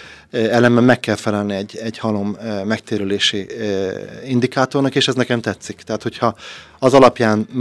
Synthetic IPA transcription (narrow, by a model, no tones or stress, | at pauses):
ɛlɛmbɛmːɛkːɛlfɛlɛlniɛɟːɛɟhɒlo̞mːɛkt̪eːɾyleːʃi | ind̪ikaːt̪o̞rnɒkeːʃɛznɛkɛmt̪ɛt̪sːikt̪ɛɦaːt̪ho̞chɒ | ɒzɒlɒpjaːn